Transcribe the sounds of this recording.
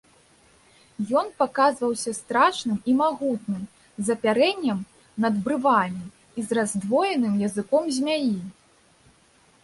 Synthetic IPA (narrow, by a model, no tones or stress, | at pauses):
jɔnpakazvɐwsʲɐst̪ɾaʂnɨmimaɣut̪nɨm | zɐpʲaɾɛnʲːɐm | nɐd̪bɾɨvamʲi | izrazd̪vɔjɛnɨmjɐzɨkɔmzʲmʲaji